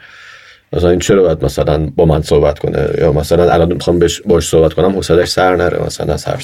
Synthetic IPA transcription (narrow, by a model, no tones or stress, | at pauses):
mæsælænint͡ʃʰeɾɒːbɒjæd̪mæsælænbɒːmænsohbæt̪kʰo̞̰nḛjɒːmæsælænʔæ̰lɒnmexɒmbeʃbɒːʃsohbæt̪konæmhosæt̪æʃsæɾnæɾḛmæ̰sælæ̰næ̰z̥hæ̰ɾf